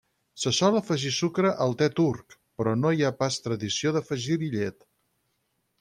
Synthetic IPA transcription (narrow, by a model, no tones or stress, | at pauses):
səsɔləfəʒisukɾəʔəlˠt̪ɛt̪uɾkpɾɔnoiapast̪ɾəðisioðəfəʒiβiʎɛt̪